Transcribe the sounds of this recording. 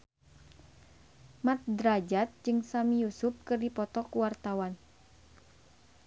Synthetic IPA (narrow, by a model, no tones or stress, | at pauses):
mat̪̚dɾad͡ʒat̪̚d͡ʒɨŋsamijusup̚kɨrdipɔt̪ɔkuwart̪awan